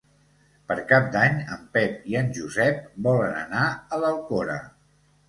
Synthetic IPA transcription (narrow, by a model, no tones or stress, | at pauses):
pəɾkap̚d̪aɲəmpɛp̚iənʒuzɛp̚bɔlənə̰naələlˠkoɾə̰